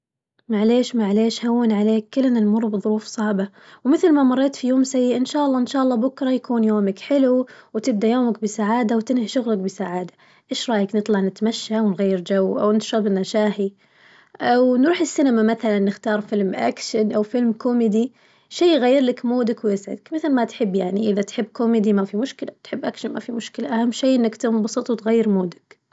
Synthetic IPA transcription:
maʕleːʃmaʕleːʃhawːanʕaleːkːɪlːnanmʊrˤːbɨðˤʊɾuːfsˤɑʕba | wmɪθlmamɑrˤːeːt̪fijoːmsajːɪʔɪnʃaːʔɑlˤːɑːʔɪnʃaːʔɑlːɑːbʊkɾˤɑjakuːnjoːmakħɪluwt̪ɪb̚d̪ajoːmak̚bɪsaʕaːd̪awt̪ɪnhaʃʊɣlak̚bɪsaʕaːd̪ḁ | ʔeːʃɾˤɑːjaknɨt̪ˤlɑʕnɪt̪maʃːawɪnɣajːɪɾd͡ʒawːʔa̰wnɪʃɑbɪnːaʃaːhi | ʔawnɾuːħɪsːɪnamamaθalanːɪxt̪ɑːɾˤfɪlmʔa̰kʃanʔawfɪlmkʊmɪd̪i | ʃiːɣajːɪɾlakmoːd̪akwjɪsʕɪ̰d̪akmɪθalmat̪ħɪbːjaʕniʔɪðat̪ħɪbːkomɪːd̪imafimʊʃkɪlat̪ħɪbːʔakʃanma̰fimʊʃkɪlaʔahamːʃiːʔɪnːakt̪ɪmbɑsˤɨt̪ˤwt̪ɣajːɪɾmoːd̪ḁk

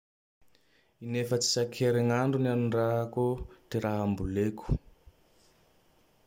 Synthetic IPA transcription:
inefət͡si̥sakʰeɾeŋaɳɖ͡ʐunianuɳraɦakod̪̥eɾaɦambuleku̥

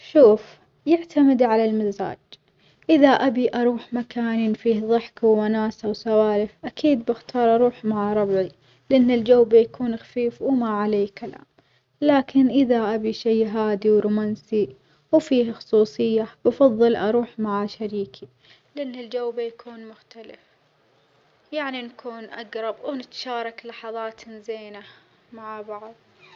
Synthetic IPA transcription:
ʃuːf | jɪʕt̪amɪd̪ʕalalmaza̰ːd͡ʒ | ʔɪðaʔabiʔɑɾˤuːħmakaːniːnfiːhðˤɨħkiwmanaːsawsawaːɾɪfʔakʰiːd̪̚bɪxt̪ʰɑːɾˤʔɑɾˤuːħmaʕaɾˤɑbʕi | lɪʔɪnːɪld͡ʒawːbajakʰuːnxḁfiːfwmaʕaleːkala̰ːm | laːkʰɪnʔɪðaʔabiʃajɦaːd̪iwɾuːmaːnsi | wfiːhxʊsˤuːsˤɨjːab̥ɑfɑðˤːɨlʔɑɾˤuːħmaʕaʃaɾiːkʰi | lɪʔɪnːɪld͡ʒawːbajakʰuːnmʊxt̪alɪf | jaʕninkʰuːnʔaɡɾˤɑbwnɪt̪ḁʃɑːɾˤɑklɑħɑðˤɑːt̪nzeːna | maʕbɑʕðˤ

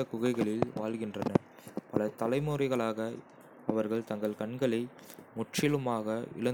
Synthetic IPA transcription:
ɐkʊɣɐɪɣɐɭɪlʋaːlɣɪndrɐnɐ | pɐlɐt̪ɐlɐɪmuɾɐɪɣɐɭaːɣɐ | ɐʋɐɾɣɐɭt̪ɐŋɡɐɭkɐɳɡɐɭɐɪ | mʊʈrɪlɯmaːɣɐɪ̰ɭɐ

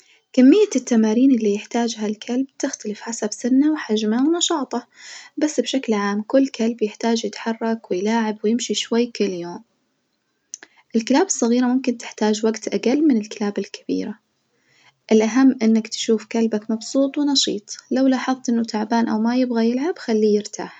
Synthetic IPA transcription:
kamːɪjːat̪ːamaːɾiːnʔɪlːijɪħt̪aːd͡ʒɦalkʰalb̚t̪ɪxt̪alɪfħasabsɪnːawħad͡ʒmawnɑʃɑːt̪ˤɑbasːbʃaklʕaːmkʊlːkʰalbjɪħt̪aːd͡ʒjɪt̪ħɑrˤːɑkwɪjlaːʕɪbwɪjɪmʃiʃwajːkɪlːjoːm | ʔɪlkɪlaːbɨsˤːɑɣiːɾamʊmkɪnt̪ɪ̥ħt̪aːd͡ʒwaɡt̪ʔaɡalːmɪnɪlkɪlaːbɪlkʰḁb̥ḭːɾa | ʔɪlʔaɦamːʔɪnːakt̪ʃuːfkalbakmɑbsuːt̪ˤwɪnɑʃiːt̪ˤlawlɑːħɨðˤt̪ʔɪnːʊt̪ʰaʕbaːnʔa̰wmajɪbɣajɪlʕab̥xalːiːjɪɾt̪ʰa̰ːħ

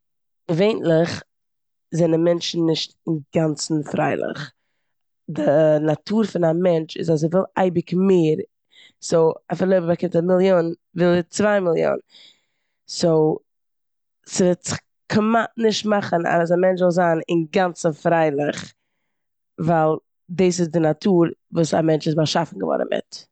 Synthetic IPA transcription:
veɪntlɪχ | zɛnamɛnt͡ʃn̩ːɪʃtɪnɡant͡sn̩fɾa̰ɪlˠɪ̰χ | dɪnatʰuːɾfɪnamɛnt͡ʃɪ̰zas̬ɪvɪlˠa̰ɪbɪkmeːɾ | soʊafɪɾlˠoɪbbakɪmtamɪlˠjoːnvɪlˠət͡svaɪmɪlˠjo̰ːn | soʊ | sɪvɛt | kʰəmatnɪʃtmaχəna̰s̬amɛnt͡ʃzɪlˠzaːnɪnɡant͡səfɾaɪlˠɪχ | vaɪlˠ | dɪs̬ɪzdɪnatʰuːɾvuːsa̰mɛnt͡ʃɪsmaʃafn̩ɡəvɔ̰ɾə̰nmɪ̰t

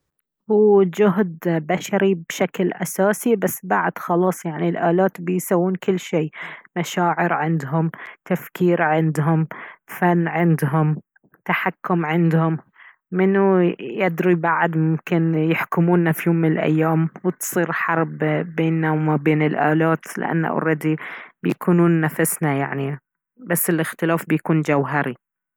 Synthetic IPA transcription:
huːd͡ʒʊɦd̪baʃaɾibʃaklʔasaːsibasːbaʕd̪̥xɑlɑːsˤjaʕnilʔaːlaːt̪bɪjsawːuːnkɪlːʃeːmaʃaːʕɪɾʕɪnd̪ɦʊmt̪afkiːɾʕɪnd̪ɦʊmfanːʕɪnd̪ɦʊm | t̪aħakːʊmʕɪnd̪hʊmː | ɪnːujɪd̪ɾibaʕd̪mʊmkɪnjɪħkʊmuːnːafijoːmːɪnɪlʔa̰jːaːmwɪt̪sˤiːɾħɑɾˤbbeːnːawmabeːnɪlʔaːlaːt̪lɪ̰ʔa̰nːa̰ʔɾˤɑd̪ibjakʰuːnuːnːafasnajaʕni | basːɪlɪxt̪ɪlaːfbɪjkuːnd͡ʒawɦaɾi

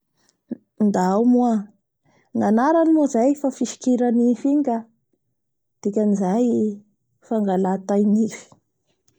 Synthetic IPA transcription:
nd̪aawmua | ŋanaɾanimozajfafiʃi̥kiɾanifiŋɡa | d̪̥ikʲanizaj | faŋɡalat̪ajnifi̥

